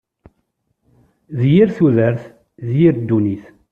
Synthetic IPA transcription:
ðjiɾθuðəɾθ | zjiɾd̪ːuniθ

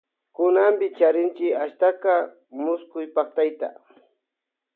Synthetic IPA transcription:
kʊnambɪt͡ʃaɾɪnt͡ʃɪkaʃt̪aka | mʊskʊjpaχ̚t̪ajt̪a̰

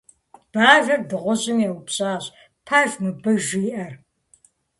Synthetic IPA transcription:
b̥aːʒɐrdɨʁʷɔʑɪmɛwpɕʼaːɕ | pʰaːʒmɨbɐʒiːʔɐr

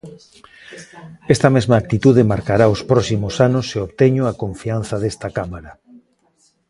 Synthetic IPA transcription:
ɛst̪amezmaːk̚t̪it̪uðemaɾkaɾaospɾɔsimosanʊseoβt̪eɲʊakoɱfian̟θaðest̪akamaɾa

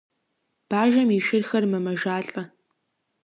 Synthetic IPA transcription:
b̥aːʒɐmiʃɪrxɐrmɐmɐʒaːɬʼɐ

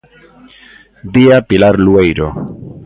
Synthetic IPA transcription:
biapilaɾluejɾo̰

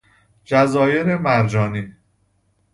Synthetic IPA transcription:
d͡ʒæzɒːjeɾemæɾd͡ʒɒːni

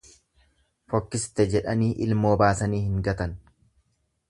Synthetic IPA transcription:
fɔkːɪst̪ɛd͡ʒɛᶑɐniːʔɪ̰lmo̞ːbaːsɐniːhɪŋɡɐt̪ɐn

